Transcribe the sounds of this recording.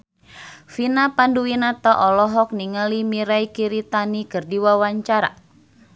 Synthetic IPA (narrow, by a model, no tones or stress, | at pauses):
finapanduwinat̪aʔɔlɔɦɔk̚niŋalimiɾaikiɾit̪anikɨrdiwawaɲt͡ʃaɾa̰